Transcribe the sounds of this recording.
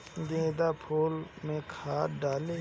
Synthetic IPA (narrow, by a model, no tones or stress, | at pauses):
d̪ẽːd̪apʰoːlmẽkʰaːɖaːle